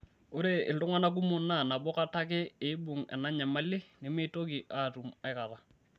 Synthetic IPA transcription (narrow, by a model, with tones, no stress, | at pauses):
o˦ɾe˦ɪ̰˨ltʊ˦ŋwa˦na˦k̬u˦mʊ˨na˦˨na˨bɔ˦ka˦ta˦kɪ˦e˨ɪ˦bʊ˨ŋɛ̰˨na˦ɲa˨ma˦lɪ˦nɪ˨me˦to˦ki˨ʔa˦˨tu˨ma˨ɪ˦ka˨ɾa˨